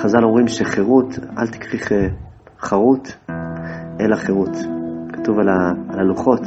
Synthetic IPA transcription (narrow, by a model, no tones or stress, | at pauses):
χazalo̞mʁimʃeχeʁutʔa̰lt̪i̥kʁiχe | χaʁut | ʔelaχeʁutkḁtuvalaalaluχo̞t